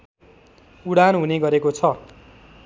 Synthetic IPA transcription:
uɽanɦuneɡʌɾekot͡sʰʌ

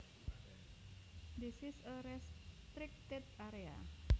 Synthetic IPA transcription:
d̪esisəɾɛst̪ɾɪk̚t̪ɪt̪̚aɾea̰

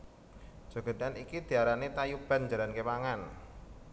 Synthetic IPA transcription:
ʒ̥o̤ɡ̥ə̤danikid̪̥i̤aɾanet̪ajub̥a̤nd͡ʒalankepaŋan

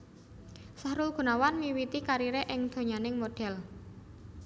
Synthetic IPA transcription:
sahɾʊlɡ̥ṳnawanmiwit̪ikaɾiɾeʔɪŋd̪̥o̤ɲanɪŋmoɖ̥ɛl

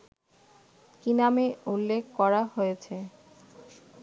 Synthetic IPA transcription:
kinameulːekʰkɔɾaɦojet͡ɕʰe

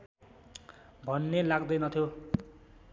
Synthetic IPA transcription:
bʱʌnːelaɡd̪ʌjnʌt̪ʰjo

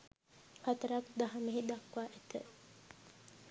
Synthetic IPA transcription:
hat̪əɾak̚d̪aɦɐmeɦid̪ɐkʋaːʔæt̪ə

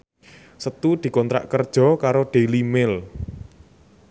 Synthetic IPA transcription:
sət̪ud̪̥i̤kɔnt̪ɾa̰ʔkərd̥ʒ̥ɔ̤kaɾoɖ̥e̤limɪl

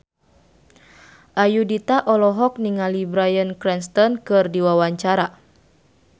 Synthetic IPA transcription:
ʔajudit̪aʔɔlɔɦɔk̚niŋalibɾajənkɾɛnst̪ɔnkɨrdiwawaɲt͡ʃaɾa

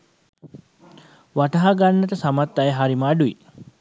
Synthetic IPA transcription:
ʋaʈɐɦaɡanːət̪əsamat̪ːajəɦaɾimaːɖui

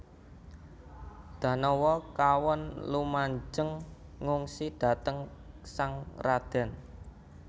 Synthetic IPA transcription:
d̪̥ä̤nɔwɔkawɔnlumaɲd͡ʒəŋːuŋsid̪̥ä̤t̪əŋ | saŋrad̪̥ɛ̤n

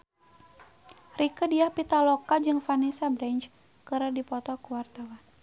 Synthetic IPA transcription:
rikədiahpit̪alokad͡ʒɨŋfanisabɾɛɲt͡ʃ | kəɾədipɔt̪ɔkəwart̪awan

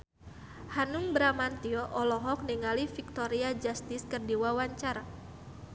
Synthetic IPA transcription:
hanuŋbɾamant̪iɔʔɔlɔɦɔk̚niŋalifik̚t̪oɾiad͡ʒast̪ɪskərdiwawaɲt͡ʃaɾa

